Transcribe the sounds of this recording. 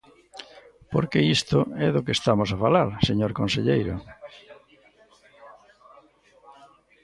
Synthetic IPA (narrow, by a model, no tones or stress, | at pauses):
poɾkeist̪ʊɛðʊkeːst̪amosafalaɾseɲoɾkõnseʎejɾʊ̰